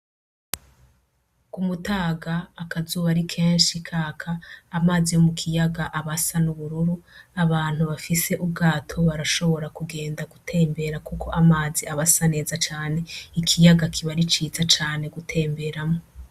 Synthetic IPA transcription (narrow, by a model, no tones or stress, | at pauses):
kumutaːɡaːkazuːβaɾikʰe̞ːnʃikʰaːkʰaːmaːzijomukʰijaɡaʔaβasanuβuɾuɾuaβaːn̥huβafise̞ʔub̚ɡaːtʰo̞βaɾaʃo̞βo̞ɾakuɡe̞ːndaɡutʰe̞ːmbe̞ɾakukʰo̞ʔamaːziaβasane̞ːzat͡ʃaːne̞ikʰijaɡakʰiβaɾit͡ʃiːzat͡ʃaːne̞ɡutʰe̞ːmbe̞ɾamo